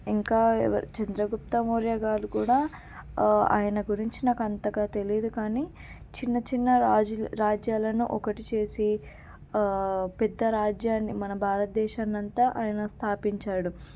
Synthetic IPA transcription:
iŋkaːɐt͡ʃɐnd̪ɾɐɡup̚t̪ɐmoːɾjaɡaːɾukuːɽaː | a̰ːjɐnɐɡuɾiɲt͡ʃinaːkɐnt̪ɐɡaːt̪e̞liːd̪ukaːniː | t͡ʃinːɐt͡ʃinːɐɾaːd͡ʒjaːlɐnuʔɔkɐʈit͡ʃe̞ːsi | pɛd̪ːɐɾaːd͡ʒjaːnːimɐnɐbʱaːɾɐt̪̚d̪ɛːʃaːnːɐnt̪ɐʔaːjɐnɐst̪ʰaːpiɲt͡ʃaːɽu

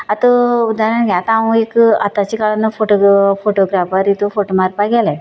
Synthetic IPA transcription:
ɐt̪uud̪aːɾɐɳɡeat̪aʋũekɐt̪ɐt͡ʃikaɭɐnːupʰoʈopʰoːʈoɡɾaːpaɾit̪upʰoʈomaːɾpaːɡale

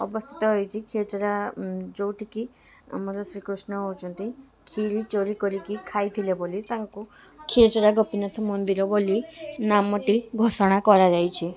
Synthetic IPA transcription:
ɔ̰bɔst̪ʰi̥t̪ɔɦɔjt͡ʃʰikʰet͡ʃɔɾad͡ʒowʈiki | a̰mɔɾɔsɾikɾusnɔowt͡ʃʰɔnt̪i | kʰiɾit͡ʃoɾikɔɾikikʰajt̪ʰilebolit̪aŋku | kʰit͡ʃɔɾaɡɔpinɔt̪ʰɔmɔnd̪iɾɔbolinamɔʈiɡʱosɔɽ̃akɔɾad͡ʒajt͡ʃʰi

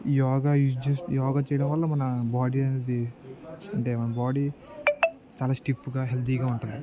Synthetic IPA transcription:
jɔːɡaːjuːsd͡ʒesjɔːɡaːt͡ʃɛjɐɽɐmʋɐlːɐmɐnɐbaːɽiɐne̞ːd̪i | ɐɳʈeːmɐnɐbaːɽiː | t͡ʃaːlaːsʈifʰuɡaːɦelt̪ʰiɡaːuɳʈund̪i

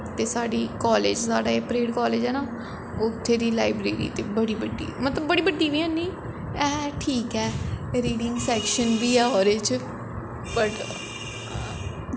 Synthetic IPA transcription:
t̪eːsaːɖiːkɔːleːd͡ʒsaːɖaːeːpɾeːɖkɔːleːd͡ʒɛːnaː | ʊt̪ʰːeːd̪iːlaːibɾeːɾḭːt̪eːbəɽiːbəɖːḭːmət̪ləbːəɽiːbəɖːiːʋiːɛ̃ːniː | ɛːʈʰiːkɛːɾiːɖɪ̃ŋɡsɛːkʃənbiːɛːɔːɾeːt͡ʃ | pəʈː

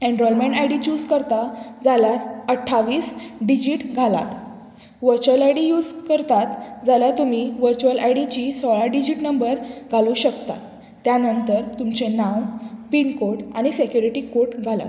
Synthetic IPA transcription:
ẽɳɖɾɔlmẽɳʈajɽit͡ɕuːd͡zkəɾt̪ad͡zalaɾəʈʰːaʋiːsɖid͡ʑiʈɡʱala̰t̪ | ʋəɾt͡ɕəlajɽijuːd͡zkəɾt̪at̪d͡zalat̪umiʋəɾt͡ɕuəlajɽit͡ɕisɔɭaɖid͡ʑiʈnəmbəɾɡʱaluːɕəkt̪a̰ː | janənt̪əɾt̪umt͡ɕenãwpiɳkoɾʈa̰ɽ̃isekjuɾiʈikoɾʈɡʱala̰t̪

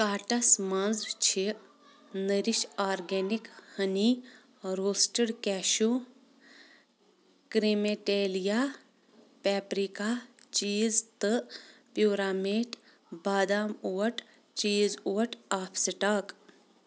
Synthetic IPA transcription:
kaːʈɐsmanzt͡ʃʰi | nəɾiʃaːɾɡenikhɐni | ɾoːsʈəɽkɛːʃu | kɾemeʈeːlija | pɛːpɾikat͡ʃiːzt̪ɨpjuːɾaːmeːʈ | baːd̪aːmuʋɐʈ | t͡ʃiːzuːɐʈaːpʰsiʈaːk

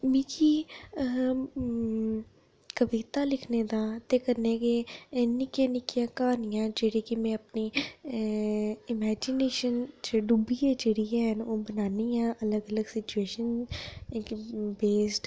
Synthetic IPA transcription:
miːki | kəʋit̪aːlɪkʰned̪aːt̪ekəɾnekenɪkjãnɪkijãkaːnɪjãːd͡ʒeɽikimɛ̃əpni | ɪmɛːd͡ʒɪneːʃənd͡ʒeɖubied͡ʒeːɽiɛ̃ɦɛnoːbənaːniãːʔələɡələɡsɪt͡ʃueːʃən | beːsʈ

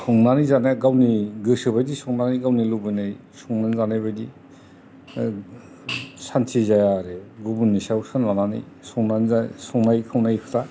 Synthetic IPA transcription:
sɔŋnanizanajɡawniɡɯsɯbajdisɔŋnanijɡawnilubɯjnaj | sɔŋnanzanajβajdi | santʰizajaɾeɡubunːisawsɯnlananḭj | sɔŋnanzasɔŋnajkʰɯwnajkʰɯtʰa

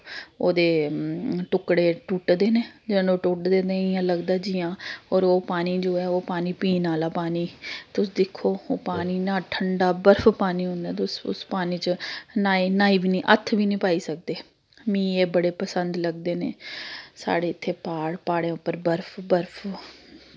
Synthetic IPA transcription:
oːd̪eː | ʈʊkɽeːʈuːʈd̪eːneːd͡ʒɪ̃ːnõːʈuːʈd̪eːd̪iːãːləɡd̪aːd͡ʒiːãːɔːɾoːpaːniːd͡ʒoːɛːoːpaːniːpiːnaːlaːpaːniːt̪ʊsd̪ɪkʰːoːoːpaːniːnãːʈʰəɳɖaːbəɾpʰpaːniːʊ̃nd̪ãːt̪ʊsʊ̰spaːniːt͡ʃənaːiːnaːiːbiːnĩːʔət̪ʰːʋiːnĩːpaːiːsək̚d̪eː | mĩːeːbəɽeːpəsənd̪ləɡd̪eːnḛːsa̰ːɽeːɪt̪ʰːeːpaːɽpaːɽẽːʊpːəɾbəɾpʰbəɾpʰ

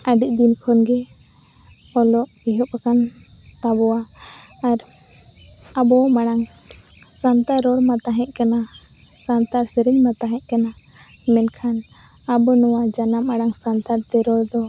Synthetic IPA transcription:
aɖic̚ˀd̪inkʰɔnɡɛ | ɔlɔʔiɦɔpakan | t̪abɔwaː | ɾ | abɔmaɽaŋ | sant̪aɾɔɾmat̪aɦɛ̃ʔ̚ˀkana | sant̪aɾsɛɾiɲmat̪aɦɛ̃ʔ̚ˀkana | mɛnkʰan | abɔnɔwad͡ʒanamaɽaŋsant̪aɾt̪ɛɾɔɾd̪ɔ

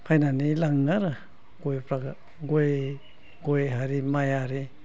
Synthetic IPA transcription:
hanãnĩlaŋaɾa | ɡʷepɾaɡa | ɡwe | ɡweɦaɾimãjaɾi

